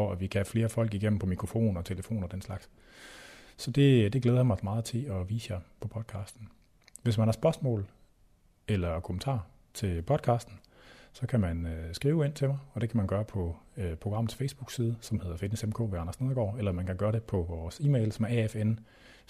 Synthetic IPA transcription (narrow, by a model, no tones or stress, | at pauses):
fɒæʋikʰææfle̝ːɐfɒ̽l̰ɡ̥iɡ̥em̰n̩pʰɒ̽mikʰʁo̝fo̝̰ːnɒt͡sʰeləfo̝̰ːnɐd̥enslɑ̈ɡ̥s | sɒ̽d̥e̝d̥e̝ɡ̥leːðˠɐmɑ̈ɪsmɑ̈ːð̞̩ˠt͡sʰe̝lɒ̽ʋḭːsjɑ̈ɪpʰɒ̽pʰɒ̽d̥̚kʰɑ̈ːsd̥n̩ | ʋe̝s̬mænhɑ̈sb̥ɶɐsmɔ̰̽ːl | elɐkʰomən̩t͡sʰɑ̰̈ː | t͡sʰe̝lpʰɒ̽d̥̚kʰɑ̰̈ːsd̥n̩ | sɒ̽kʰæmænøsɡ̥ʁiːʊe̝n̰t͡sʰe̝mɑɪɒ̽d̥e̝kʰæmænɡ̥ɶːɐpʰɒ̽pʰʁo̝ɡ̥ɑ̈m̰ð̩ˠsfeɪsb̥uɡ̥siːð̞ˠəsɒ̽mhe̝ð̞ˠɐfed̥nesemkʰo̰ːʋeɑ̈nɐsneðˠɐɡ̥ɒ̰ːelɐmænkʰæɡ̥ɶːɐdɾe̝pʰɒ̽ʋɒːsiːmeɪlsɒ̽mæɐɛefen